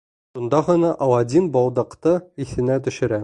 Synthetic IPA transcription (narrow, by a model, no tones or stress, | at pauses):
ʃund̪ɑʁɤ̆nɑʔɒw̪ˠɑd̪ʲinbɒlˠd̪ɤ̆qt̪ɤiθɘ̆næt̪ɵ̆ʃɘ̆ɾæ